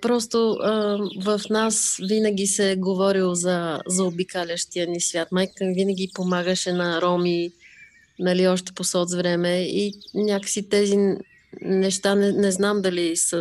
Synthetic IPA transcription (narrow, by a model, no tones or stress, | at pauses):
pɾɔs̬t̪oəvəfnasvinəɡ̟ʲisɛɡovɔɾilˠozɐzɐobikalʲəʃt̪ijənisvʲjat̪majkvinəɡʲipomaɡəʃɛnɐɾɔmi | nɐliɔʃt̪ɛ̥posɔt̪vɾɛmɛinʲjakə̥sit̪ɛzi | nɛʃt̪anɛnɛznamd̪ɐlisə